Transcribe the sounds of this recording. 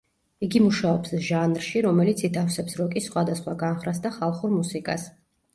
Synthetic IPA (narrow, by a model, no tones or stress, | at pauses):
iɡimuʃaɔpsʒanɾʃiɾɔmɛlit̪sʰit̪ʰafsɛpsɾɔkʼisχwad̪asχwaɡanχɾasd̪aχalˠχuɾmusikʼa̰s